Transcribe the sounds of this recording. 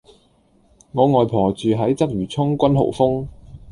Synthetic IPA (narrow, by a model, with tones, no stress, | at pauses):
ŋɔː˨˧ŋɔː˨jpʰɔː˨˩t͡ʃyː˨˧ɦɐ˨˥jt͡sɐ˥k̚jyː˨˩t͡sʰʊ˥ŋkʷɐ˥nɦo̰˨˩wfʊ˥ŋ